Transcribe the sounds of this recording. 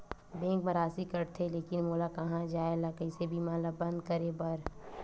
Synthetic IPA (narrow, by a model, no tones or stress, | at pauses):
bẽːŋkmɐɾaːsikɐɾt̪ʰeleːkɪnmoːlakɐɦãd͡ʒaːelakɐɪsebʱimaːlabɐ̃nd̪̚kɐɾebɐɾ